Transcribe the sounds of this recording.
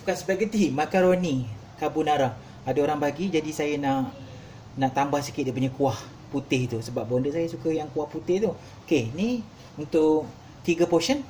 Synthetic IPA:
ukansəbat̪̚ɡət̪imakaɾoni | kabʊnaɾah | adaoɾaŋbaɡid͡ʒadisajanaʔ | naʔt̪ambahsikɪt̪̚daʔpuɲakuah | put̪ɪht̪usəbap̚bondəʔsajasukəjaŋkuahput̪ɪht̪u | okenĩ | unt̪ʊʔ | t̪iɡapoʃən

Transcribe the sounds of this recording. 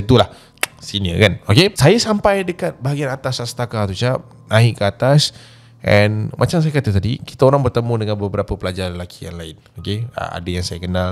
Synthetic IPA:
ət̪ulah | siniə̰kanokesajasampajdəkat̪̚baɦaɡianat̪asasə̥t̪akat̪ut͡ʃap̚ | nãɪʔkəat̪as | ʔɛnmʔat͡ʃams̬ajakat̪ət̪adiki̥t̪aoɾaŋbərt̪əmũdəŋanbəbəɾapəpəlad͡ʒaɾəlakija̰ŋlaɪn | okeə̰a̰dajaŋsajakənal

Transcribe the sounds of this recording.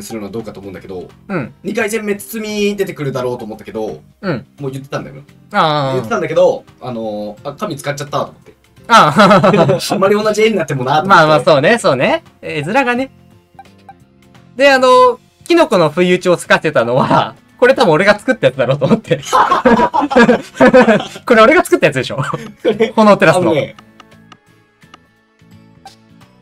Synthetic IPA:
sɨɾɯnoad̪o̞ːkat̪omo̞ɯ̃nd̪akeo̰ɯ̟̃ɴɲ̟ikaizẽ̞mːe̞t͡sɨ̥t͡sɨmʲid̪e̞t̪e̞kɯ̟ɾɯ̟d̪aɾo̞ːt̪oːmot̪ːake̞d̪o̞̰ | ɯ̟̃ɴmoːjɯ̟t̪ːe̞̥t̪ãnd̪a̰jo | aːjɯt̪ːeãnd̪ake̞d̪o̞ | ano̞akamʲit͡sɨ̥kat͡ɕːat̪ːat̪omot̪ːe̞ | aː | amːaɾʲio̞nːaʑieɲ̟inat̪ːemo̞nat̪omaːmaːso̞ːne̞so̞ːne̞ | ezɨɾaɡane̞ | d̪e̞ano̞ | kʲino̞kono̞ɸɯ̟iɯ̟t͡ɕio̞t͡sɨ̥kat̪e̞t̪ano̞βa̰ | ko̞ɾe̞t̪abɯ̃oɾe̞ɡat͡sɨ̥kɯ̟t̪ːajat͡sɨd̪aɾo̞ːt̪omot̪ʰːe̞ | ko̞ɾeo̞ɾe̞ɡat͡sɨ̥kɯ̟t̪ːajat͡sɨd̪e̞ɕo̞ | honoːt̪eɾasne

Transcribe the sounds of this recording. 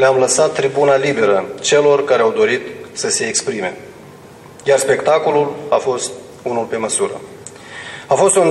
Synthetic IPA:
leamləsat̪ːɾibunalibe̞ɾət͡ʃe̞lo̞rkaɾeawd̪o̞ɾit̪səse̞ːkspɾime̞̰ | jarspe̞kt̪ako̞lulafo̞st̪ | unulpe̞məsuɾə̰ | afo̞st̪un

